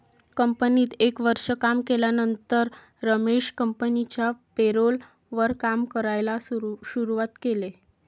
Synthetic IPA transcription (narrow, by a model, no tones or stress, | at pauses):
kəmpəniːt̪ekʋəɾʂəkamkeljanənt̪əɾː | əmeɕkəmpənit͡ɕjapeɾol | ʋəɾkamkəɾajlaɕuɾuʋat̪kele